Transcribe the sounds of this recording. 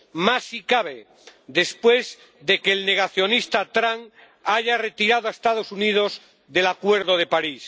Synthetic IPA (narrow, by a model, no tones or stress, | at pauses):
masikaβe | d̪e̞spwe̞z | ðe̞keːlne̞ɣ̞aθjo̞nist̪at̪ɾaŋ | aʝare̞t̪iɾaðoaest̪að̞o̞sunið̞o̞z | ðe̞lakwe̞ɾðo̞ð̞e̞paɾis